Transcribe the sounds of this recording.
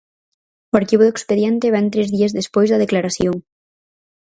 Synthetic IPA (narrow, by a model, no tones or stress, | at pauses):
oaɾkiβ̞oðoekspeðjɛnt̪eβɛnt̪ɾezðiazðespojzðɐð̞eklaɾasjoŋ